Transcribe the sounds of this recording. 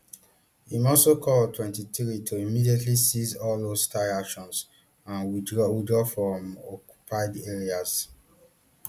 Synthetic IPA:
imɔsokʰɔltʰwɛ̃ntitɹitʰoimidietʰlisizɔldoz̥staɹakʃɔ̃ns | ãnwidɹɔwidɹɔfɹɔ̃mɔkju̥pʰaɪdeɹiaz̥

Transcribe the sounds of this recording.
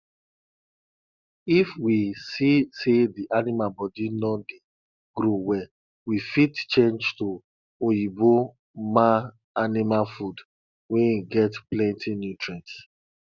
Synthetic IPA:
ifwisisediʔanimabɔdinɔde | ɡɾowɛ | wifitt͡ʃẽnd͡ʒto | ojibo | ma | animafud | wɛ̃jiɡɛtplɛ̃ntʰinjutɹãnt

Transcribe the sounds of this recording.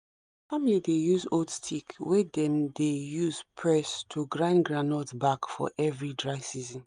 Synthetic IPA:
familidejuzodstʰikwɛdɛ̃mdejuzpʰɹɛstʰuɡɹãɪ̃nɡɹanɔtsbakfɔ̰ʔɛvɹidɹaɪfsizɔ̃n

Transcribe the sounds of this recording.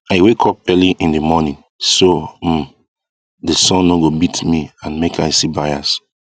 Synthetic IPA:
aɪwekʰɔp̚ɛliʔĩndimɔnĩn | som | desɔ̃nːoɡobitmiãnmekaɪsibajas

